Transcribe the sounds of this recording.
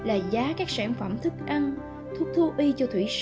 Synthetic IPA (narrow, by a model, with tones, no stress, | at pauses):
laː˨˩zaː˨˦kaː˦˥k̚saː˧˩nfə˧˩mt̪ʰɨ˦˥k̚ʔa˧n | t̪ʰu˦˥p̚t̪ʰu˧ʔi˧t͡ɕɔ˧t̪ʰwḭ˧˩s